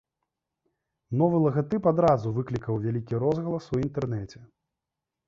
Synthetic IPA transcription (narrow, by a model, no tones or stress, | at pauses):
nɔvɨlˠɐɣɐt̪ɨpad̪ɾazuvɨklʲikɐwvʲalʲikʲiɾɔzɣɐlˠɐsuint̪ɛrnɛt͡sʲɛ